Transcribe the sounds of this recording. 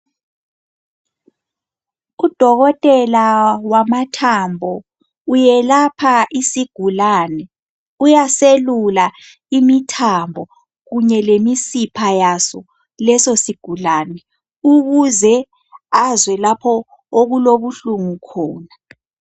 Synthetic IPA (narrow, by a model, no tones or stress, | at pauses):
ud̥ʱɔɣɔtʼɛlawamatʰambʱɔ | ujɛlapʰaisiɡ̥ʱulanɛ | ujaselula | imitʰambʱɔ | ɣuɲɛlemisipʰajasɔ | lɛsosiɡ̥ʱulaːnɛ | uɣuzɛ | azwɛlapʰɔ | oɣuloβuɬuŋukʰɔːna